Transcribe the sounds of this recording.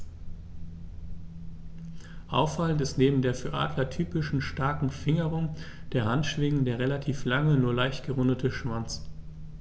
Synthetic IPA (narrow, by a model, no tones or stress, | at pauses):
ʔa̰ʊfaləntɪstneːbm̩deːɐfyːɐʔa̰ːdlɐtʰyːpɪʃn̩ʃtaɐkŋ̩fɪŋəʁʊŋd̥eːɐhantʃv̥ɪŋ̩deːʁelatʰiːflaŋənuːɐlaɪçtɡ̥əʁʊndətʰəʃv̥ant͡s